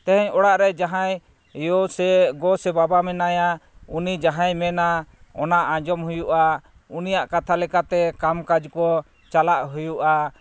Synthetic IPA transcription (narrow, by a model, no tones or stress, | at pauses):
t̪ɛɦɛɲɔɽaʔɾɛd͡ʒaɦaj | jɔsɛɡɔsɛbabamɛnajaunid͡ʒaɦãjmɛnaɔ̰naʔãd͡ʒɔmɦujuʔa | unijaʔkat̪ʰalɛkat̪ɛkamkad͡ʒkɔ | t͡ʃalaʔɦujuʔa